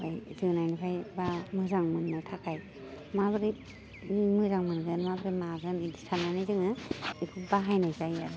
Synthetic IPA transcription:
ajzɯnajnipʰajbamɯzaŋmɯnmɯtʰakʰaj | mabɯɾi | mɯzaŋmɯnzɯnmabɾimazɯnidisʰanːanijzɯŋɯikʰubaɦajnajzajan

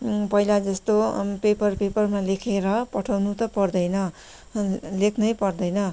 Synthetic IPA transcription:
pʌilad͡zʌst̪opepʌrpepʌrmalekʰeɾʌpʌʈʰawnut̪ʌpʌrd̪ʌjnʌ | lekʰnʌjpʌrd̪ʌjnʌ

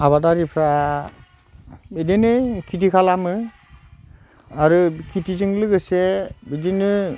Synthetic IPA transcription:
abadaɾipʰɾa | bedinɯkʰitikʰalamɯ | aɾukʰitʰizɯŋɡlɯɡɯsɛbidinɯ

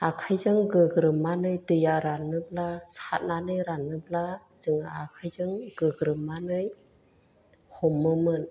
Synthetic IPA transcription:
akʰajzɯŋɡɯɡɾɯmanɯjtɯjaɾanːɯblasat̚nanɯjɾanɯbla | z̥ɯŋaːkʰajzɯŋɡɯɡɾɯmanɯj | hɔmːɯmɯn

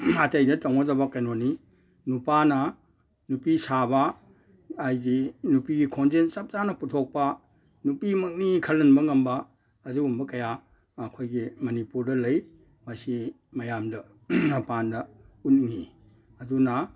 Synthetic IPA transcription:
atɐjnɐtawŋɐzɐβɐkajnoni | nupanɐ | nupisabɐ | ajdinupiɡikʰond͡ʒent͡ʃɐp̚t͡ʃanɐputʰok̚pɐ | nupimɐk̚nikʰɐlːɐnbɐŋɐmbɐː | zuumbɐkɐjaː | kʰojɡimɐnipuɾdɐlɐj | mɐsi | mɐjamdɐ | pandɐutiŋi | ɐdunɐ

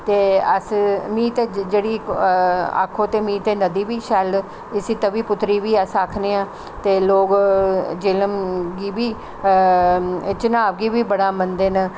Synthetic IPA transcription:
t̪eːəsmĩːt̪eːd͡ʒeːɽiː | a̰ːkʰːoːt̪eːmĩːt̪eːnəd̪iːʋiːʃəl | ɪsiːt̪əʋiːpʊt̪ːɾiːʋiːəsaːkʰneːãː | t̪eːloːɡd͡ʒɪləmɡiːbiː | t͡ʃənaːʋɡiːʋiːbəɽaːmənd̪eːnəː

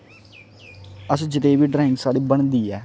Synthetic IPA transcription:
əsd͡ʒɪt̪eːʋiːɖɾaːɪŋksaːɽiːbəɳd̪iːɛː

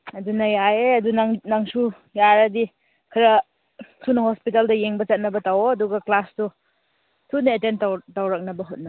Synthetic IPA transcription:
ɐdunɐjajeɐdunaŋnaŋsu | jaɾɐdi | kʰiɾɐ | tʰunɐhospitaldɐjeŋbɐt͡ʃɐt̚nɐbɐtawoɐduɡɐklastu | tʰunɐetentawtawɾak̚nɐbɐɦot̚nɐ

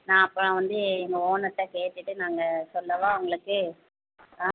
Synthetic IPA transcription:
nãːɐpːɐɭɐ̃ʋɐnd̪ɯɪŋɡɐoːnɐt̪ːɐkeːʈːɯʈːɯnaːŋɡɐsɔlːɐʋãːʊŋɡɐɭɯkːɯ | aː

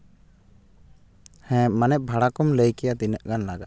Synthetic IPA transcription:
hɛ̃manɛʔ̚bʱaɽakɔmləjkɛjat̪inəʔkanlaɡa

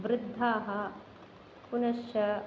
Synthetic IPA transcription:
ʋɾɪd̪ʱːaːɦɐ | punɐʃjɐ

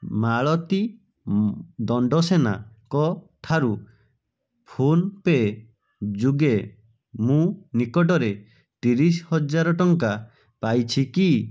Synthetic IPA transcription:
maɭɔt̪i | d̪ɔɳɖɔsena̰kɔt̪ʰaɾu | pʰunpe | d͡ʒuɡe | mũnikɔʈ̬ɔɾe | t̪iɾishɔd͡ʒaɾɔʈɔŋka | pajt͡ʃʰiki

